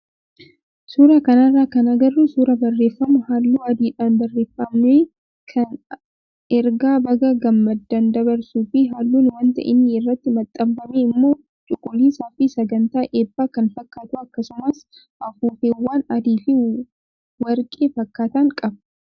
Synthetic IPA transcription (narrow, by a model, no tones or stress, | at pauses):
suːɾakɐnɐrːaːkɐnɐɡɐrːusuːɾɐbɐrːe̞ːfːɐmʊhaːlːuːɐd̪iːᶑaːnbɐrːeːfːɐmne | kʰɐn | ɛɾɡaːbɐɡɐɡɐmːɐd̪ːɐnd̪ɐbɐɾsuːfɪɦaːlːuːnwɐnt̪ɐ̰ʔɪ̰nːiɪrːɐt̪ːɪmɐt̪ʼːɐbbɐmeːɪmːo̞ː | t͡ʃʼʊkʼːʊlːiːsaːfɪsɐɡɐnt̪aːʔeːbːaːkɐnfɐkːaːt̪ʊɐkːɐsʊmɐs | ʔɐfuːfewːaːnɐd̪iːfɪ | wɐɾkʼeːfɐkːaːt̪ɐŋkʼɐb